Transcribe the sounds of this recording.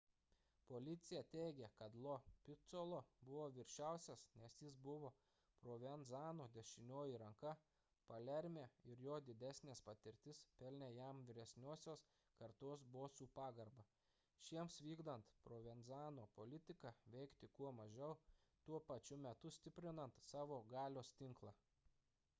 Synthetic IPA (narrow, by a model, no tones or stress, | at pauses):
poːlʲɪt̪sʲɪjɛt̪ʲɛɪɡʲɛkɐt̪lˠopʲɪt̪solˠoːbʊʋoːʋʲɪɾʲʃʲæˑʊsʲɛsnʲɛsjɪsbʊʋoː | pɾoːʋʲɛnzɑːnoːd̪ʲɛʃʲɪnʲoːjiɾɐŋkɐ | pɐlʲɛɾʲmʲeːɪɾjoːd̪ʲɪd̪ʲæːsʲnʲeːspɐt̪ʲɪɾʲt̪ʲɪspʲɛlʲnʲeːjæmʋʲɪɾʲɛsʲnʲoːsʲoːs | kɐɾt̪oːsboːsuːpɑːɡɐɾbɐ | ʃʲiɛmsʋʲiːɡd̪ɐnt̪pɾoːʋʲɛnzɑːnoːpolʲɪt̪ʲɪkɑʋʲɛɪkt̪ʲɪkuɔmɐʒʲɛʊt̪uɔpɐt͡ʃʲʊmʲɛt̪ʊsʲt̪ʲɪpʲɾʲɪnɐnt̪sɑːʋoːɡɑːlʲoːst̪ʲɪŋklˠɑː